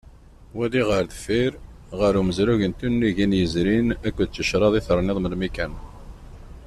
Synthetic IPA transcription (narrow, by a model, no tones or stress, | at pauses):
wæliʁəɾðfiɾ | ʁəɾuməzɾuʝənt̪unːiʝinjəzɾinækʷːd̪̚t͡sːəʃɾˤɑðˤiθəɾˤnɪðˤməlmikæn